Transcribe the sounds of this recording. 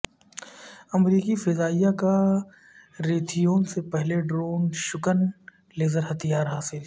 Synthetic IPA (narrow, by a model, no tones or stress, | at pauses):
ɐmɾiːkifɪzaːijaka | ɾeːt̪ʰijõːnsepɛɦleɖɾoːnʃʊkən | leːzəɾɦɐt̪ijaːɾɦaːsɪl